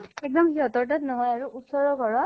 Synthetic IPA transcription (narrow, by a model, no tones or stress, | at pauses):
ek̚dɔmhiɦɔt̪ɔʈat̪nɔɦɔjaɹuʔut̪sɔɹɔkɔɹɔ